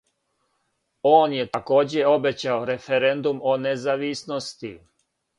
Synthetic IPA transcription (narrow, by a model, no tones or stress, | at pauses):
oːnjet̪ako̞ːd͡ʑeo̞bet͡ɕaoɾe̞feɾend̪umonezaʋisnost̪i